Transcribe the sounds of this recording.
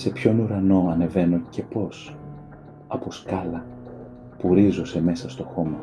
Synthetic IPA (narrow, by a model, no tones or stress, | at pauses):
se̞pço̞nuɾɐno̞ɐne̞ve̞no̞ce̞po̞s | ɐpo̞skɐlɐ | puɾizose̞me̞sɐst̪o̞xo̞mɐ